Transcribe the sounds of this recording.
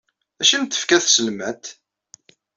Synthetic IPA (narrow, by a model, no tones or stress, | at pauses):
æʃənt̪ːə̥fkæθsəlmæt̪